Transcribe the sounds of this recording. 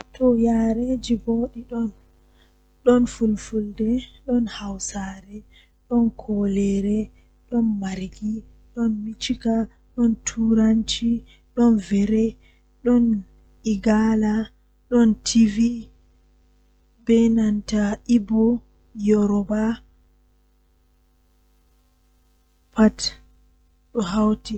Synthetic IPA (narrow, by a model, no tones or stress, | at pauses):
tɔjaɾed͡ʒiboɗiɗɔn | ɗɔnfulfuldɛɗɔnhawsaɾɛ | ɗɔnkʰɔlɛɾɛ | ɗɔnmaɾɡi | ɗɔnmit͡ʃika | ɗɔntʰuɾant͡ʃi | ɗɔnvɛɾɛ | ɗɔn | iɡala | ɗɔntʰivi | bɛnantaibɔ | jɔɾɔba | pat | ɗɔɦawti